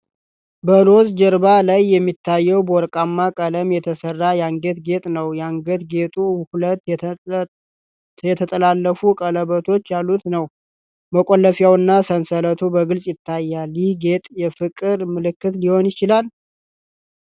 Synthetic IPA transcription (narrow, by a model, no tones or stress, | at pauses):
bəlo̞zd͡ʒəɾbalajːɛmːit̪ʰːajːɛwbəɔɾkʼamːakʼələmjɛt̪ʰəsərːajɛaŋɡət̪ɡe̞t̪ʼnəwjɛaŋɡət̪ɡe̞t̪ʼuhulət̪ | jɛt̪ʰət̪ʼəlalːəfukʼələβət̪ʰo̞t͡ʃːjalːut̪nəw | məkʼolːəfjawɨnːasənsələt̪ʰubəɡɨlsʼjɪt̪ʰːajːalihɡet̪ʼjɛfɨkʼɨɾmɨlɨkːɨt̪liho̞njɪt͡ʃɪlal